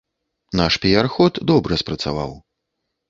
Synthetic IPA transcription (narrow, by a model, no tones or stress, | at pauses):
naʂpʲiarxɔt̪d̪ɔbɾɐspɾɐt̪sa̰va̰w